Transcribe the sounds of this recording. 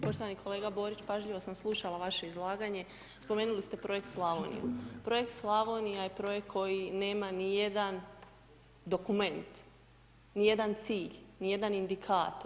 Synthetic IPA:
po̞ʃt̪oʋanikʰo̞le̞ːɡabo̞ːɾit͡ɕpaʒʎiʋo̞samslˠuʃalˠaʋaʃe̞izlˠaːɡaɲe̞ | spo̞me̞ːnulist̪e̞pɾo̞je̞k̚t̪slˠaʋonḭjṵpɾo̞je̞kt̪slˠaʋonijajepɾo̞jekkʰːo̞jine̞ːmanije̞d̪an | d̪o̞kume̞nt̪ | nije̞d̪ant̪siːʎnijed̪anind̪ikʰaːt̪o

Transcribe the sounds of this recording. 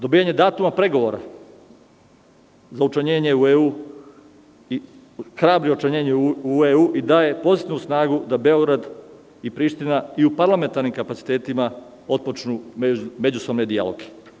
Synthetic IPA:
d̪o̞biːjaɲe̞d̪aːt̪umapɾe̞ɡo̞ʋo̞ɾa̰ | zaut͡ʃaɲeːɲe̞ueuː | i | xɾaːbɾiot͡ʃaɲeːɲeueuːʔid̪aːje̞po̞zit̪iʋnusnaːɡud̪abe̞o̞ɡɾad̪ | ipɾiːʃt̪inaiupaɾlˠame̞nt̪aɾnimkapat̪si̥t̪eːt̪ima | o̞t̪̚pot͡ʃnume̞d͡ʑusobned̪ia̰lˠo̰ɡe̥

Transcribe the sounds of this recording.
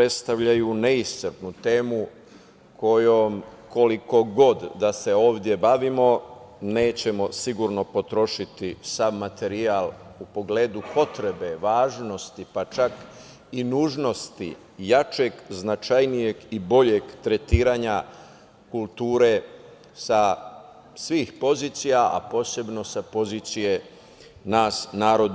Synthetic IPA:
pɾe̞t̪st̪aʋʎajune̞issɾpnut̪e̞ːmu | kʰo̞jom | ko̞liko̞ɡo̞d̪d̪ase̞o̞ːʋd̪je̞baʋimo̞ne̞ːt͡ɕe̞mo̞siɡuɾno̞po̞t̪ɾo̞ʃit̪isammːat̪e̞ɾial | upo̞ɡle̞ːd̪upo̞t̪ɾe̞be̞ʋaːʒno̞st̪ipat͡ʃak | inuːʒno̞st̪ḭ | jat͡ʃe̞ɡznat͡ʃajnije̞ɡibo̞ʎe̞ɡt̪ɾe̞t̪iːɾaːɲa | kulˠt̪uːɾe̞ | sa | sʋiːxpo̞ziːt̪sijaa̰po̞ːse̞bno̞sapo̞ziːt̪sije̞ | naːsnaːɾod̪

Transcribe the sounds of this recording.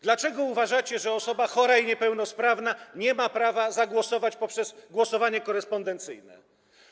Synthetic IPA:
d̪lat͡ʂɛɡɔuvaʐat͡ɕɛʐɛɔsɔbaxɔɾaiɲɛpɛwnɔspɾavnaɲɛmapɾavazaɡwɔsɔvat͡ɕpɔpʂɛzɡwɔsɔvaɲɛkɔɾɛspɔnd̪ɛnt̪sɘ̰jnɛ̰

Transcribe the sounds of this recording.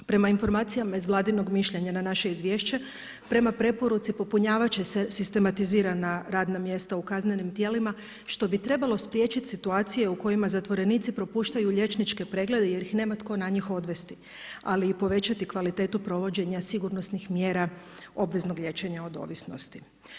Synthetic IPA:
pɾe̞mainfo̞ɾmaːt̪sijamaizʋlˠaːd̪ino̞ɡmiʃʎe̞ɲananaʃe̞izʋjeːʃt͡ɕe̞ | pɾe̞mapɾe̞po̞ɾut̪sipo̞puɲaːʋat͡ʃese̞sist̪e̞mat̪iziːɾanaɾaːd̪namje̞st̪aukazne̞nimt̪je̞ːlima | ʃt̪o̞bit̪ɾe̞balˠo̞spɾje̞t͡ʃit̪sit̪uaːt̪sije̞uko̞jimazat̪ʋo̞ɾe̞niːt̪sipɾo̞puːʃt̪ajuʎe̞t͡ʃnit͡ʃke̞pɾe̞ɡle̞d̪eje̞ɾixne̞ːmat̪ko̞naɲixo̞d̪ʋe̞st̪i̥ | a̰liːpo̞ʋe̞t͡ɕat̪ikʋalit̪e̞ːt̪upɾo̞ʋo̞d͡ʑe̞ɲasiɡuɾno̞snixmjeːɾa | o̞bʋe̞zno̞ɡʎʲe̞t͡ɕe̞ɲao̞d̪o̞̰ːʋisno̞̰st̪i̥

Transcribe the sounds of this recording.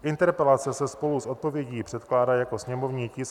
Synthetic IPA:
ʔɪnt̪ɛɾpɛlat͡sɛsɛspo̞luso̞t̪̚po̞vjɛɟiːpr̥ɛt̪klaːdajako̞sɲɛmo̞vɲiːcɪs

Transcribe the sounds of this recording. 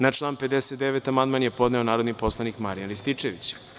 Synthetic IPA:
nat͡ʂlˠaːnped̪eset̪d̪eʋet̪amand̪manjepo̞d̪neo̞naːɾod̪nipo̞slˠanikmaɾijanlist̪it͡ʂeʋit͡ɕ

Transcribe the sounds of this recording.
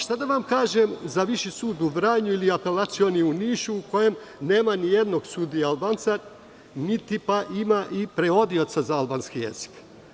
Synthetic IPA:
ʃt̪ad̪aʋamkaːʒemzaʋiʃisuːd̪uʋɾaːɲuiliape̞lat̪sio̞niuniːʃuːko̞je̞m | ne̞ːmanije̞d̪no̞ɡsud̪ijaalˠbant̪sa | nit̪ipaʔimaʔipɾeo̞d̪io̞t̪sazaalˠbaːnskijḛz̥i̥k

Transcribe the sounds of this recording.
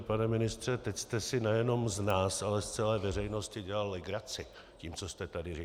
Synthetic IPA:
panɛmɪnɪst̪r̝̥ɛt̪ɛcst̪ɛsɪnɛjɛno̞mznaːsalɛst͡sɛlɛːvɛr̝ɛjno̞scɪɟɛlalːɪɡɾat͡sɪ | ciːmt͡so̞st̪ɛt̪adɪri

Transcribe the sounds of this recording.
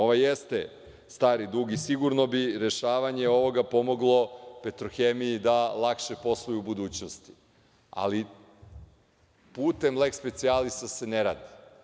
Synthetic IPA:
oʋajest̪e | st̪aːɾid̪ɾuɡisiɡuɾno̞biɾe̞ʃaːʋaɲeo̞ʋo̞ɡapo̞mo̞ɡlˠo̞pet̪ɾoxemijid̪alˠakʃepo̞slˠujuːbud̪uːt͡ɕnost̪i̥ | a̰li | puːt̪e̞mle̞kspe̞t̪sialisase̞neɾa̰ːd̪i̥

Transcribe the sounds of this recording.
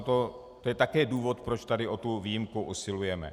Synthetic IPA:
t̪o | t̪o̞jɛt̪akɛːduːvo̞t̪pɾot͡ʃt̪adɪʔo̞t̪uviːjimkuʔusɪlujɛmɛ̰

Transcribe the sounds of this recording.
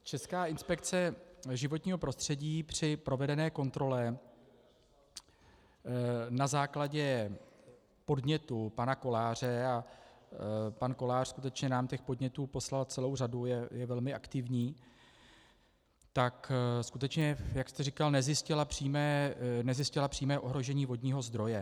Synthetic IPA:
t͡ʃɛskaːʔɪnspɛk̚t͡sɛʒɪvo̞t̪ɲiːɦo̞pɾo̞st̪r̝̥ɛɟiːpr̝̥ɪpɾo̞vɛdɛnɛːko̞nt̪ɾo̞lɛ | nazaːklaɟɛ | po̞dɲɛt̪upanako̞laːr̝ɛa | panko̞laːr̥skut̪ɛt͡ʃɲɛnaːmcɛxpo̞dɲɛt̪uːpo̞slalt͡sɛlo̞wr̝adujɛjɛvɛlmɪʔakt̪ɪvɲiː | t̪akskut̪ɛt͡ʃɲɛjakst̪ɛrikalnɛzjɪscɪlapr̝̥iːmɛːnɛzjɪscɪlapr̥iːmɛːʔo̞ɦɾo̞ʒɛɲiːvo̞dɲiːɦo̞zd̪ɾo̞jɛ

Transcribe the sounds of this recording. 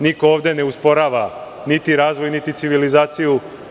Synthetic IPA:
nikooːʋd̪e̞ne̞uspo̞ɾaːʋa | nit̪iɾaːzʋojnit̪it̪siʋilizaːt̪siju

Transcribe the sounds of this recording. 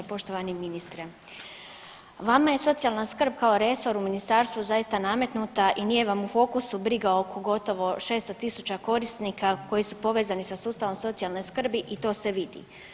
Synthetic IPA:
poʃt̪oʋaniminist̪ɾe | ʋamaje̞so̞t̪sijalˠnaskr̩b̚kaoɾe̞so̞ɾuminist̪aːɾst̪ʋuzajist̪aname̞t̪nut̪aʔinije̞ʋamufo̞ːkusubɾiɡaoːkʰo̞ɡo̞t̪o̞ʋo̞ʃe̞ːst̪ot̪isut͡ɕako̞ɾisniːkako̞jisupo̞ʋeːzanisasuːst̪aʋo̞mso̞t̪sijalˠnojskr̩biʔit̪o̞ːse̞ʋid̪ḭ

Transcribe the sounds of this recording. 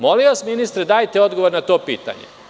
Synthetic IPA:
mo̞liʋasminist̪ɾed̪aːjt̪eo̞d̪ɡoʋo̞ɾnat̪o̞ːpiːt̪a̰ɲḛ

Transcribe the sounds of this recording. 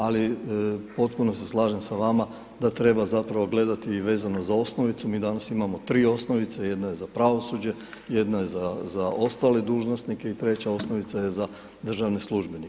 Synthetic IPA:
alipo̞t̪puno̞se̞slˠaːʒemsaʋama | d̪at̪ɾe̞bazapɾaʋo̞ɡle̞d̪at̪iʋe̞ːzanozao̞sno̞ʋit̪sumiːd̪anasimamo̞t̪ɾiːo̞sno̞ʋit̪seje̞d̪naje̞zapɾaʋo̞sud͡ʑe̞ | jed̪najezazao̞st̪aled̪uːʒno̞st̪nike̞it̪ɾe̞t͡ɕao̞snoʋit̪saje̞za | d̪r̩ʒaʋneslˠuʒbenik

